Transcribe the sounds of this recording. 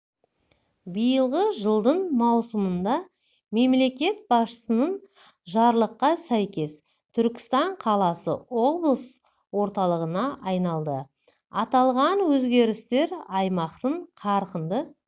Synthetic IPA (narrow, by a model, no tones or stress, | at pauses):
bijəlˠʁəʒəlˠd̪əɴmɑwsəmənd̪ɑ | me̞mle̞kʲe̞t̪̚bɑsʃə̥sənəɴ | ʒɑɾlˠəqːɑsæjkʲe̞s | t̪ʰʏɾkʲɪ̥st̪ɑɴqʰɑlˠɑsə̰wo̞blˠəs | wo̞ɾt̪ɑlˠəʁənɑʔɑjnɑlˠd̪ə̰ | ɑt̪ɑlˠʁɑnwɵzɡʲe̞ɾɪst̪e̞ɾɑjmɑqt̪əɴqʰɑɾqənd̪ə